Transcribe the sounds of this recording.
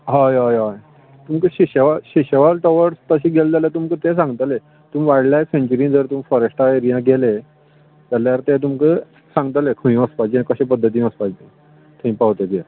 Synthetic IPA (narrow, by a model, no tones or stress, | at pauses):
ɦajɦajɦaj | t̪umkəɕiɕəʋaɕiɕəʋalʈɔʋəɾst̪əɕiːɡʱeld͡zalet̪umkət̪esãŋɡt̪ale | t̪umʋaɽljasẽɲt͡ɕəɾĩːnd͡zəɾt̪umfəɾeɕʈʰaeɾijãɡʱele | t̪aljaɾt̪ẽt̪̬umkə | sãŋɡt̪alekʰəĩəspad͡ʑĩkəɕẽpəd̪ʱːət̪̬ĩːəspad͡ʑĩ | t̪ʰəĩpaɦt̪et̪e